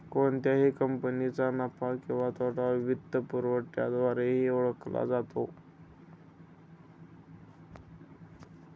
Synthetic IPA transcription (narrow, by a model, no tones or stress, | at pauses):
koɳt̪jaɦiːkəmpənit͡sanapakĩw̃ʋat̪ʰaʈaʋiʋid̪ʱəpuɾʋəʈja̰d̪ʋaɾeɦioɭəkla̰d͡zat̪o